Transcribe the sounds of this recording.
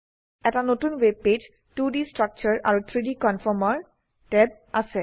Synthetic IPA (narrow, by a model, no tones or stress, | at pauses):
ɛtanotunweb̚ped͡ʒ | tudistɹak̚t͡ʃɔɹa̰ɹut̪ʰɹidikɔnfʰɔmɔɹ | tɛb̚ | asɛ